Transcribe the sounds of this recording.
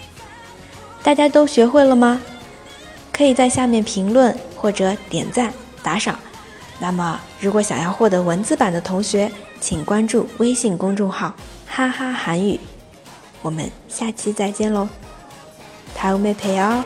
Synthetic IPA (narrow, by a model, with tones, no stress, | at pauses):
t̪a˥˩t͡ɕja˥t̪o˥ʊɕɥɛ˧˥xwe˥˩ɪlə˩mɐ˩ | kʰɤ˧˥i˨˩t͡sa˥˧ɪɕja˥˧mjɛ˥˩npʰi˧˥ŋlwə˥˧nxwɔ˥˩ʈ͡ʂɤ˧˥t̪jɛ̰˨˩nt͡sa˥˩n | t̪a˧˥ʂɑ˨˩˦ŋ | na˥˩mə˩ɻu˧˥kwɔ˧˥ɕjɑ˨˩ŋjɑ˥˧ʊxwɔ˥˩t̪ɤ˧˥wə˧˥nt͡sɹ̩˥pa˨˩nd̪ə˦t̪ʰʊ˧˥ŋɕɥɛ˧˥ | t͡ɕʰi˨˩ŋkwa˥nʈ͡ʂu˥˩we˥ɪɕi˥˩ŋkʊ˥ŋʈ͡ʂʊ˥˧ŋxɑ˥˩ʊ | xa˥xa˥xa˧˥ny˨˩˦ | wɔ˨˩mə̰˦nɕja˥˩t͡ɕʰi˥t͡sa˥˩ɪt͡ɕjɛ˥nlo˧˥ʊ | t̪ʰa˧˥ɪu˧˥me˥˩ɪpʰe˧˥˩ɪɑ˥